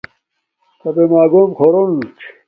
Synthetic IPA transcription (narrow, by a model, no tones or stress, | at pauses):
kɐbemaːɡoːmkʰoɾont͡ɕ